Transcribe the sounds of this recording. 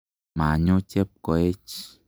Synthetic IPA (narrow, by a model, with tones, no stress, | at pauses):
ma˨ɲo˦t͡ʃe˦p̚kɔ˨e˦t͡ʃ